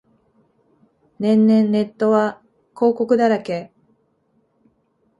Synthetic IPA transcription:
nẽ̞nːẽ̞nːe̞t̪ːo̞βa | ko̞ːko̞kɯ̟d̪aɾake

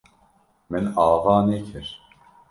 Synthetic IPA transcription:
mɛnaːvaːnekʰɪɾ

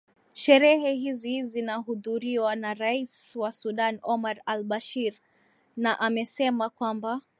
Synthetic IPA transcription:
ʃɛɾɛɦɛhizizinaɦuðuɾiwanaɾaiswasuɗanɔmaɾalɓaʃiɾ | naʔamɛsɛmakwamba

